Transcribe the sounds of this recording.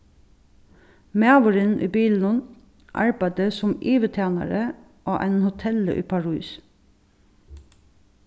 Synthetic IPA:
meːɑʋʊɹɪnʔiːbiːln̩ʊn | ʔɑ̰ɹbæɪd̪əsʊmʔiːʋət̪ʰæːnɑ̰ɹə | ʔoːʔæɪnhʊt̪ʰɛlə̰ʔḭːpʰɑɹʉːs

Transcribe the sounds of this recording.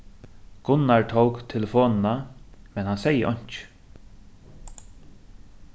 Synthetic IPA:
ɡ̥ʊnːaɹt̪ʰowkt̪ʰɛlɪfoːnɪnamɛnhansɛjəʔɔɲ̥t͡ʃ

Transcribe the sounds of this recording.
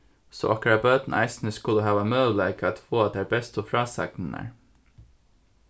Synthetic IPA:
so̰ːʔɑ̰kɾɑbøːd̪n̩ʔæ̰ɪsn̩əskʉləɦɑːʋɑmøːʋlæɪkʰɑt̪foːɑt̪̚d̪eæːbɛst̪ɔfɾɑːsɑ̰knənæ̰ɹ

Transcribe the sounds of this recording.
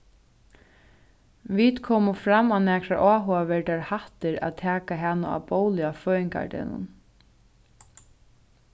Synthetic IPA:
viːt̪kʰɔːmʊfɾamːanɛːkɾa̰ʔaːɦɔːaʋɛɹt̪ɛːɹhaht̪ɪɾa̰ðt̪ʰɛːkaɦɛnaa̰poːwlɪafœːɪŋka̰ɹd̪ɛ̰nʊ̰n

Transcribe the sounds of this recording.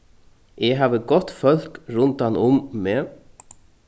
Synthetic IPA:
ɛɦaːvəɡɔt̪ːfœl̥kɾʊnt̪anʔʊmːɛ

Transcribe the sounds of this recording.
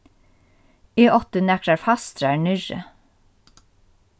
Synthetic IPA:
iːʔɔt̪ənɛktəɾfɑst̪ɾæːɳʏʒə̰

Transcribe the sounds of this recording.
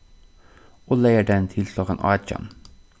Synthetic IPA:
oːleɪəɖɛnt̪ʰɪlsɑːkɑnʔɑ̰ːt͡ʃɑ̰n

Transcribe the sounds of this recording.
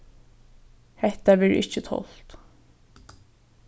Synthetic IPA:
hɛt̪aʋɛɹʔɪ̰t͡ʃːət̪ʰɔ̰l̥t̪

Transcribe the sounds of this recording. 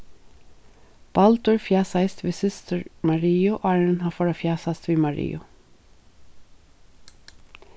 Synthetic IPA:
b̥ɑlt̪ʊɹfjæːsɑɪst̪ʋiːsɪst̪əɹmɑɹiːʊʔɑːɹəɹənhɑːfɔːɹɑfjæːsɑst̪ʋiːmɑɹḭːʊ

